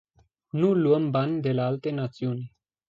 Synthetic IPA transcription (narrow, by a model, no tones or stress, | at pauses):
nuluəmbanʲd̪elealt̪enat̪siunʲ